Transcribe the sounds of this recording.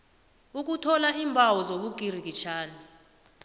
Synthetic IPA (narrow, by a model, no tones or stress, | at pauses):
uk̬ʼutʰɔlaʔiːmbʱawɔzoɓuɡ̥ʱir̤ik̬it͡ʃʰaːni